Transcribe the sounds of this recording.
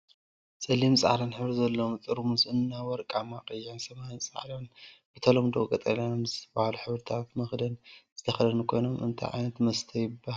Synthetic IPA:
sʼɐlimsʼa̰ʕlɐnħɨβɾizɐlːomt̪ʼɨɾmuzɨnːawɔɾkʼamakʼɨjːansɐmajnsʼa̰ʕlonb̥ɨt̪ʰɐlomd̪okʼɐt̪ʼɐnanomzɨt̪ʰɐbahaluħɨβɾɨt̪ʰat̪mɐxd̪ɐnzɨt̪ʰɐxɐlɐnukʰo̞jnomɨ̰nt̪ʰa̰jʕa̰jnɐt̪mɐst̪ʰɐjɪbːaha

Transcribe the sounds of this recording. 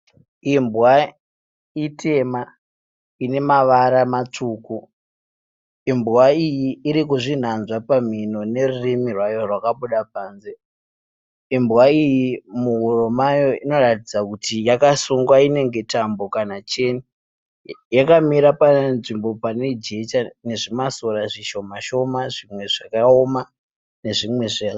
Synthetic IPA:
imbwa | itʰe̞ma | ine̞maʋaɾamat͡ʂuːku | imbwaijiːɾikuʐin̤anzwapam̤ino̞ne̞rurimirwajo̞rwakaɓuɗapaːnze | imbwaijimuɦuromajo̞ino̞ratid͡zakutijakasuŋɡwaine̞ŋɡe̞tambo̞kanat͡ʃe̞ni | jakamiɾapanʐimbo̞pane̞d͡ʒe̞t͡ʃane̞ʐimasoɾaʐiʃo̞maʃo̞maʐimwe̞ʐakaoma | ne̞ʐimwe̞ʐe

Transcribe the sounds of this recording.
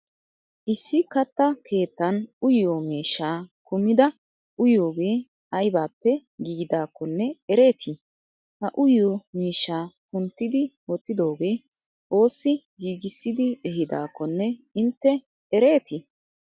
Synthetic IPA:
ʔɪsːɪkɐt̪ːɐkʰe̞ːt̪ːɐnʊjːomiːʃːaːkʊmɪd̪ɐ | ʊjo̞ːɡe̞ː | ɐjbaːpːɛɡiːɡd̪aːkːɔnːɛɛɾe̞ːt̪ʰɪ | hɐʔʊjːomiːʃːaːpʊnt̪ːɪd̪ɪwɔt̪ːɪd̪o̞ːɡe̞ː | ʔo̞ːsːɪ | ɡiːɡɪsːɪd̪ɪɛhɪd̪a̰ːkːɔnːɛɪnt̪ːɛ | ɛɾe̞ːt̪ɪ

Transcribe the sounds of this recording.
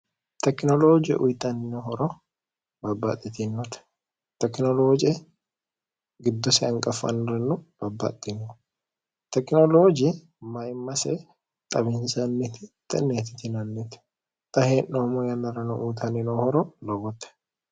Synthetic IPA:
t̪ɛknɔloːd͡ʒɛ̰ʔʊjt̪ɐnːɪnohɔɾɔ | bɐbːɐ̰t̪ʼːɪt̪ɪnːɔt̪ | t̪ɛknɔloːd͡ʒɪɛ | ɡɪd̪ːɔsɛɐŋkʼɐfɐ̰nɾɛnːub̥ɐbːɐ̰t̪ʼːɪnːɔ | t̪ɛknɔlod͡ʒɪɛ | mɐjɪmːɐsɛ | t̪ʼɐbɪnsɐnːɛt̪ɪt̪ːɛnːeːt̪ɪ̥t̪ɪnɐnːɛt̪ | t̪ʼɐheːnːomɔjɐnːɐɾɐnɔʔuːt̪ɐnɪnohɔɾɔlɔbɔt̪ɛ̥

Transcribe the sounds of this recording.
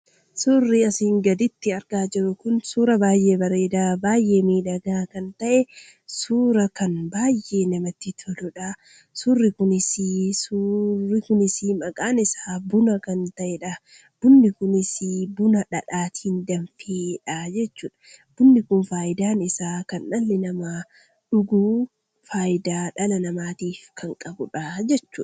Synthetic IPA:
surːɪɐsiːŋɡɐd̪ɪt̪ːɪɐɾɡaːd͡ʒɪɾʊkʊnsuːɾɐbaːjʔe̞ːbɐre̞ːd̪aːbaːjʔeːmiːᶑɐɡaːkɐnt̪ɐʔɛ | suːɾɐkɐnbaːjʔe̞ːnɐmɐt̪ːɪt̪ʰɔlɔᶑa | sʊrːɪkʊnɪsɪsurːɪkʊnɪsɪmɐkʼaːnɪsaːbʊnɐkɐnt̪ɐʔɛᶑɐ | b̥ʊnːɪkʊnɪsɪbʊnɐᶑɐᶑaːt̪ɪnd̪ɐnfeːᶑad͡ʒɛt͡ʃːuːᶑɐ̥b̥ʊnːɪkʊnfaːʔɪd̪aːnɪsaːkɐnʔɐlːɪnɐma | ᶑʊɡuː | faːjɪd̪aːᶑɐlɐnɐmaːt̪iːfkʰɐŋkʼɐbʊᶑɐd͡ʒɛt͡ʃːuːᶑ

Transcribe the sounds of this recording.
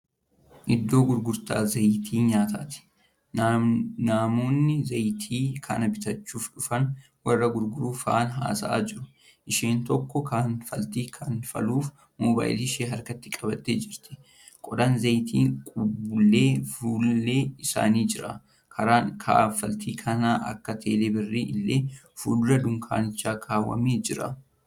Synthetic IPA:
ʔɪd̪ːo̞ːɡʊɾɡʊɾt̪a̰ːzɐjt̪ʰiːɲaːt̪aːt̪ɪ̥ | naːmoːnːɪzɐjt̪ʰiːkʰɐ̰nɐbɪt̪ɐt͡ʃːuːfᶑʊfɐn | wɐrːɐɡʊɾɡʊɾuːfɐʔanɦa̰ːsɐʔa̰ːd͡ʒɪɾʊ | ʔɪʃiːnt̪ɔkːɔkʰɐnfɐlt̪iːkʰɐnfɐ̰luːf | mɔba̰ːjliʃeːɦɐɾkɐt̪ːɪkʼɐbɐt̪ːeːd͡ʒɪɾt̪ɪ̥ | kʼɔd̪ɐnzɐjt̪ʰiːŋkʼʊbʊlːe̞ːfuːlːe̞ːɪsa̰ːniːd͡ʒɪɾɐ | kʰɐɾaːŋkʰa̰ːfɐlt̪ʰiːkʰɐnaːʔɐ̰kːɐt̪ʰeːleːbɛrːiːɪlːe̞ː | fuːlʊɾɐd̪ʊŋkʰa̰ːnɪt͡ʃːaːkʰaːwːɐ̰meːd͡ʒɪɾɐ̰

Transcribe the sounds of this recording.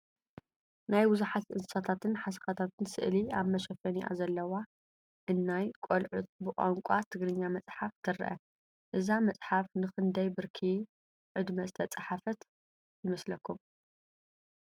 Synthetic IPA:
najbɨzuħat̪ʔɨnɨsat̪ʰat̪ɨnħasɐ̥xat̪ʰat̪ʰɨnsɨ̰ʔliaβmɐʃɐfɐniʔa̰zɐlːɐwa | ʔɨnːajkʼolʕut̪ʼbɨkʼa̰ŋkʷʼat̪ʰɨɡɾɨɲːamɐt͡sʼħaft̪ʰɨɾ̰ʔɐ̰ | ʔɨzamɐt͡sʼħafnɨxɨnd̪ɐjbɨɾkʰi | ʕɨd̪mɐzɨt̪ʰɐt͡sʼaħafɐt̪ | jɨmɐslɐkʰːum

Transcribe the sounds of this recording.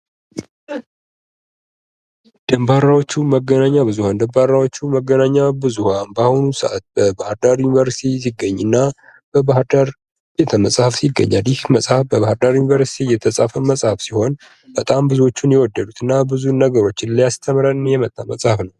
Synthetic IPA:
d̪̥əmbaɾawo̞t͡ʃːuməɡːənaɲːabɨzuhand̪əmbaɾːawo̞t͡ʃːuməɡːənaɲːabɨzuhanbahonusəʔa̰t̪̚b̥əbahɨɾd̪aɾjunivəɾsi̥t̪ʰis̬iɡːəɲːɨnːa | b̥əbahɨɾd̪aɾ | b̥e̞t̪ʰəməsʼhafsiɡːə̰ɲːaljɪhməsʼhafbəβahɨɾd̪aɾjunivəɾsi̥t̪ʰijɛt̪ʰəsʼafəməsʼhafsiho̞n | b̥ət̪ʼambɨzuwo̞t͡ʃːunjɛwɔd̪ːədut̪ʰɨnːabɨzunəɡəɾo̞t͡ʃːɪnlijast̪ʰəmɾənjɛmət̪ʼːaməsʼhafnəw

